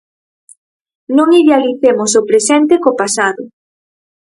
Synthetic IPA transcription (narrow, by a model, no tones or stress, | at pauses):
nõŋiðealiθemosopɾesɛnt̪ekopasaðʊ